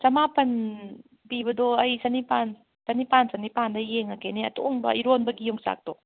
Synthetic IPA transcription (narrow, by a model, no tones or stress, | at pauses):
sɐmapɐn | pibɐdoɐjsanipan | sanipansanipandajeŋakeneɐt̪uʔɔŋbɐ̰iɾonbɐɡijɔŋsa̰k̚d̥o